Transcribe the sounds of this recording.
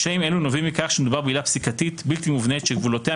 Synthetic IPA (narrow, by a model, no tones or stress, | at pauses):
ʃaimelunovimːikaχʃemed̪ubaʁbeilapsikat̪it̪bilt̪imuvnet̪ʃeɡvulot̪ea